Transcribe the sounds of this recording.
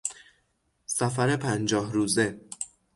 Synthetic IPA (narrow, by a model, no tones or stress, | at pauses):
sæfæɾe̞pʰænd͡ʒɒːhɾuːze̞